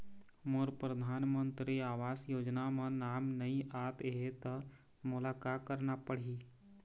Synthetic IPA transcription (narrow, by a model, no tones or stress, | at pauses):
moɾpɾəd̪ʱaːnmə̃nt̪ɾiaːʋaːsjoːd͡ʒnamẽnaːmnɐiʔaːt̪ɦet̪ə | mʊlaːkaːkəɾnapəɽ̤iː